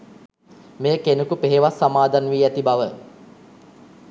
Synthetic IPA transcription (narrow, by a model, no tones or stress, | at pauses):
mejəkenukupeɦeʋasːamaːd̪anʋiːæt̪ibaʋə